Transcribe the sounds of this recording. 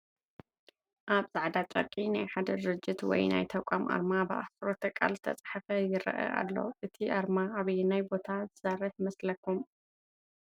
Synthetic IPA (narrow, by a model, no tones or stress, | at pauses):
ʔaβzaʕd̪at̪ʼɐ̰kʼːinajħad̪ɐd̪ɾɨd͡ʒːɪt̪wɔ̰jna̰jt̪ʰɐkʷʼamʔa̰ɾmabɨʔa̰sɾot̪ʰɐkʼːa̰lzɨt̪ʰɐt͡sʼħafɐjɪɾɐ̰ʔɐ̰ʔa̰lːo̞̰ʔɨt̪ʰiʔaɾmaaβjnajbo̞t̪ʰazɨsɐrːɨħmɐslɐkʰːum